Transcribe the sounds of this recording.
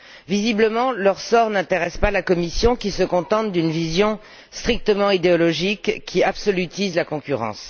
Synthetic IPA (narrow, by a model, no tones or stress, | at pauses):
vizibləmɑ̃lœʁsɔʁnɛ̃t̪eʁɛspalakɔmisjɔ̃kʲisəkɔ̃t̪ɑ̃t̪̚d̪ynvizjɔ̃ | st̪χik̚t̪əmɑ̃id̪eɔlɔʒikːiabsɔlyt̪izlakɔ̃kʲyʁɑ̰̃s